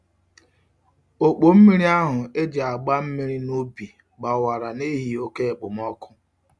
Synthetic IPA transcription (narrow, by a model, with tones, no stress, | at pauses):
o˨k͡po˨m̩˦mi˦ɾi˦a˦ɦʊ˨e˦d͡ʒe˨a˨ɡ͡ba˦m̩˦mi˦ɾi˦no˦bi˨ | ɡ͡ba˨wa˨ɾa˨ne˦ɦi˨o˦ke˦e˨k͡pʊ˨m˦ɔ˦kʊ̥˦